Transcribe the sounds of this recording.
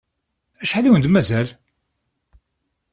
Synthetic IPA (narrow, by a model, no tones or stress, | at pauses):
æʃħaliwənd̪mæzæl